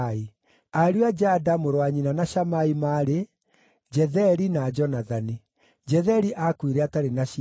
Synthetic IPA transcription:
i | aɾiad͡ʒadamoɾwaɲinanaʃamaimaɾe | d͡ʒɛðɛɾinad͡ʒɔnaðani | d͡ʒɛðɛɾiʔakwiɾɛataɾenaʃ

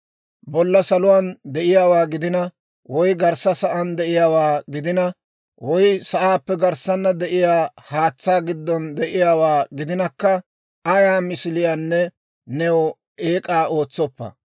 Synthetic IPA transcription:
bɔlːɐsɐlʊwaːnd̪ɛʔɪjaːwaːɡɪd̪ɪnɐ | wɔjɡɐɾsːɐsɐʔɐnd̪ɛʔɪjaːwaːɡɪd̪ɪnɐ | wɔjsɐʔaːpːɛɡɐɾsɐnːɐd̪ɛʔɪjaːhaːt͡sːaːɡɪd̪ːɔnd̪ɛʔɪjaːwaːɡɪd̪ɪnɐkːɐ | ɐjaːmɪsɪlɪjaːnːɛ | nɛw | ʔeːkʼaːʔo̞ːt͡sːɔpːɐ̰

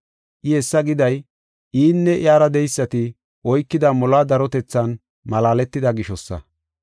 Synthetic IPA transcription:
ʔɪɛsːɐɡɪd̪ɐj | ʔiːnːɛʔɪaːɾɐd̪ɛjsːɐt̪ɪ | ʔɔjkːɪd̪ɐmɔlaːd̪ɐɾɔt̪ɛt͡sːɐn | mɐlaːlɛt̪ːɪd̪ɐɡɪʃɔsːɐ̰

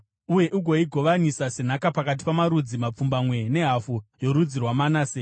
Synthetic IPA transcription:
uje̞ʔuɡʱo̞iɡʱo̞ʋanisasenakapakat̬i̥pamaɾud͡zimap͡fumbamwe̞ne̞ɦafujo̞ɾud͡zirwamanaːseː

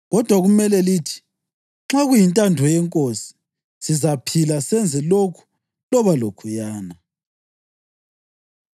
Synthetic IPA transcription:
ɣɔd̥ʱwaɣumɛlɛliːtʰi̥ | ŋ͡ǁaɣujintʼandʱɔjɛŋkʼosi̥ | sizapʰilasɛnd͡zʱɛlokʰu̥ | lɔβalokʰujaːna

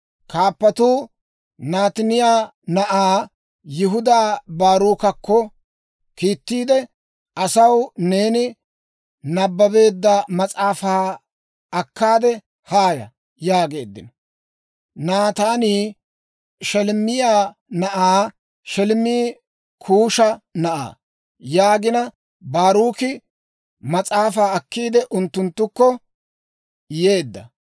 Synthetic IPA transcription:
kaːpːɐt̪uː | naːt̪ɪnɪjaː | nɐʔaː | jɪɦʊd̪aːbaːɾuːkɐkːɔ | kiːt̪ːiːd̪ɛ | ʔɐsɐwneːnɪ | nɐbːɐbe̞ːd̪ːɐmɐt͡sʼaːfaː | ɐkʰːaːd̪ɛ | haːjɐ̰ | jaːɡe̞̰ːd̪ːɪnɔ | nat̪aːniː | ʃɛlmɪjaːnɐʔaː | ʃɛlmiː | kʰuːʃɐnɐʔa̰ː | jaːɡɪnɐ | baːɾuːkɪ | mɐt͡sʼaːfaːɐkːiːd̪ɛʔʊnt̪ːʊnt̪ːʊkːɔ | je̞ːd̪ːɐ̰

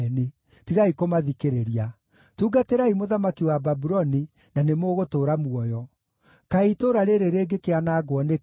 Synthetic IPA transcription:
ne | tiɣaikomaðikeɾeɾia | tuːɡateɾaimoðamakiwababuɾɔni | nanemoːɣotoːɾamuɔjɔ | kaitoɾaɾeɾeɾeːɡekeanaɡwɔne

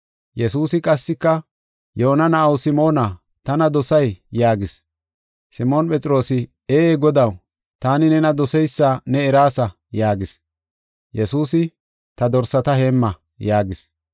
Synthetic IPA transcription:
jɛsuːsɪkʼɐsːɪkːɐ | joːnɐnɐʔɐwsɪmo̞ːnɐ | t̪ɐnɐd̪ɔsɐjjaːɡɪs | sɪmoːnpʼɛt͡sʼɪɾo̞ːsɪ | eeːɡɔd̪ɐw | t̪aːnɪnɛnɐd̪ɔsɛjsːanɛːɾaːsɐ | jaːɡɪs | jɛsuːsɪ | t̪ɐd̪ɔɾsɐt̪ɐheːmːɐ | jaːɡɪs

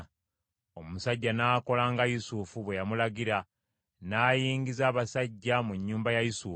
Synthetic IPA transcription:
o̞musaɟːanaːko̞laːŋɡajusufuβwe̞jamulaɡiɾa | naːjiːŋɡizaːβasaɟːamuɲːuːmbajajusu

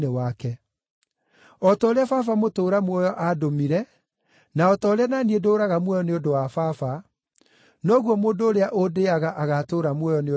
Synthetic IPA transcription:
newakɛ | ɔtɔːɾeafafamotoːɾamwɔjɔʔadomiɾɛ | naɔtɔːɾeananiedoːɾaɣamwɔjɔneondowafafa | nɔɣwɔmoːndoːɾeaʔodeaɣaʔaɣatoːɾamwɔjɔne

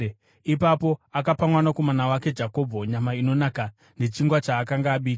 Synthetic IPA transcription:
ipapo̞akapamwanakomanawake̞d͡ʒako̞bʱoɲamaino̞naka | ne̞t͡ʃiŋɡwat͡ʃaːkaŋɡaːɓiːk

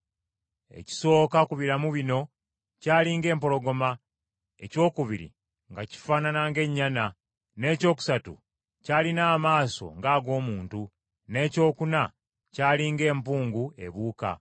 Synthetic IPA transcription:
e̞̰ci̥so̞ːkakuβiɾamuβino̞ | caːliŋɡe̞ːmpo̞lo̞ɡo̞ma | e̞̰co̞ːkuβiɾḭ | ŋɡaci̥faːnanaŋɡe̞ɲːana | ne̞ːco̞ːku̥satṵ | caːlinaːmaːso̞̰ŋɡaːɡo̞ːmuːntu | ne̞ːco̞ːkuna | caːliŋɡe̞ːmpuːŋɡue̞̰βuːka̰

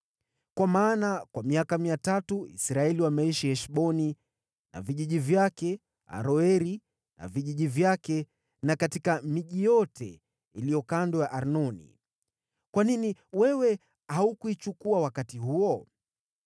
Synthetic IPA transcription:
kwamaːnakwamiakamiatatuḭsɾaɛliwamɛiʃihɛʃɓɔni | na̰viʄiʄivjakɛ | a̰ɾɔɛɾi | na̰viʄiʄivjakɛ | nakatikamiʄijɔtʰɛ̰ | ilijɔkandɔjaʔaɾnɔnḭ | kwaniniwɛwɛ | haukuit͡ʃukuawakatiɦuɔ

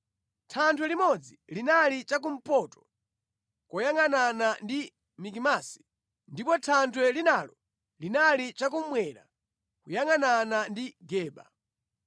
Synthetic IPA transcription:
tʰantʰwɛlimɔd͡zilinalit͡ʃak̬um̩pɔtɔ̥ | kɔjaŋananandi | mik̬imasi̥ | ndipɔtʰantʰwɛlinalɔ | linalit͡ʃak̬um̩mwɛɾa̰ | kujaŋananandiɡɛːɓa̰

